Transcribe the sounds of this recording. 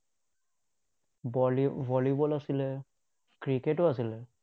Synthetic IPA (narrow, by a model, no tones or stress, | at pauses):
vʱɔlibɔlasilɛ | kɹiketʊas̬ilɛ